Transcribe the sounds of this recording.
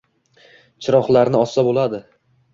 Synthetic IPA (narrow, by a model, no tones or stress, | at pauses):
t͡ʃʰɪɾɒχlˠaɾnɪɒsːabolˠad̪ɪ